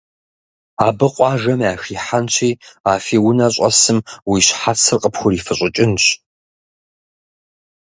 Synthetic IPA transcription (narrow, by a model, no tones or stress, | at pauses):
aːbɨqʷʼɑːʒɐmaːxiːħant͡ɕʷʰiːaːfiːwʊnɐɕʼɐ̰sɨmwiːɕħat͡sʰɨrqʼəpxʷʊɾiːfɨɕʼɪt͡ʃʼɪnɕ